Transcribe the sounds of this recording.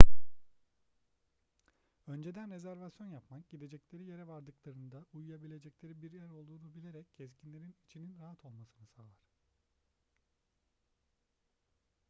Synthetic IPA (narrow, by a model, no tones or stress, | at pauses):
ø̞nd͡ʒe̞d̪ænɾe̞zæɾvasjo̞njapmak̚ɟ̥id̪e̞d͡ʒɛclʲe̞ɾije̞ɾɛvaɾd̪ɯklˠaɾɯnd̪aujujabilʲe̞d͡ʒɛclʲe̞ɾibiɾjæɾo̞lˠd̪uːnubilʲe̞ɾɛcːʰɛscʰinlʲe̞ɾinit͡ʃʰininɾaɦat̪ʰo̞lˠmasɯnɯsaːlˠaɾ̥